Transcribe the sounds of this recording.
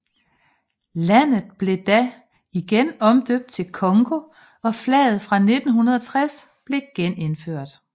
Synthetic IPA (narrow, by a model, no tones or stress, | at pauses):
læn̰ð̩ˠb̥le̝d̥æ | iɡ̥enɒ̽md̥øb̥̚d̥̚t͡sʰe̝lkʰɒ̽ŋɡ̥o̝ | ɒ̽flɛ̰ːð̩ˠfʁɑ̈ne̝d̥n̩ɦunɐð̞ˠɒ̽t͡sʰʁas | b̥le̝ɡ̥ene̝nføɐ̰d̥